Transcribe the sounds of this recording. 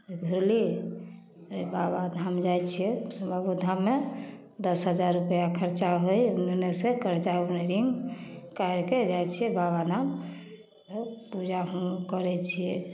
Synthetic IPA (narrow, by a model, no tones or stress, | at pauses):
ɡʱuɾlie | ɾebaβad̪ʱamd͡ʒajt͡ʃʰijɛbabud̪ʱamːe | d̪əsɦəd͡ʒaɾːupjakʰəɾt͡ʃaɦojunnesekʰəɾt͡ʃauneɾiŋɡkajɾked͡ʒajt͡ʃʰiɛbabad̪ʱam | t̪ɔpud͡ʒaɦkəɾɛt͡ʃʰiɛ